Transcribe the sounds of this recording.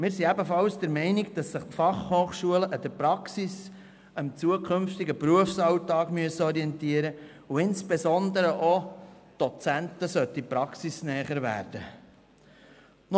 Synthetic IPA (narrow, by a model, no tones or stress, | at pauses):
mɪːɾsiɛbəfɑwsd̥̪ɛɾmɛɪnɪɡd̥ɑsːɪχtfɑχhoːχʃuələʔəd̪əɾpɾɑksis | əmt͡suəkʰɵnft̪iɡəpɾuəfsɑwt̪ɑːɡmyəsəɔɾiɛnt̪iəɾə | uɪnsb̥esɔnd̪əɾəʔod̪̥ɔt͡sænt̪əsœt̪ːipɾɑksisnɛːχəɾvæ̰ːɾd̥̪ə | nɔ